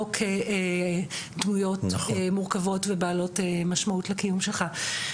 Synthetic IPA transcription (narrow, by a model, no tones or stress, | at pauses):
okʰee | dmujo̞tmuʁkavo̞tvebaːlo̞temaʃmautlekijumʃelχa